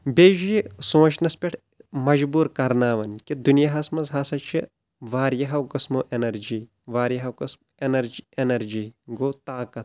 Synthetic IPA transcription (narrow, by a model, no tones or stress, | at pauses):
beːʒjisõːt͡ʃʰnɐspʲeʈʰ | mɐd͡ʒbuːɾkɐɾnaːʋɐnkid̪unjaɦɐsmɐzɦaːsɐt͡ʃʰi | ʋaːɾjɐɦɐwkɐsmoːʔenɐɾd͡ʒiː | ʋaːɾjɐɦɐwkɐsm | enɐɾd͡ʒenɐɾd͡ʒiːɡoːt̪aːkɐt̪̚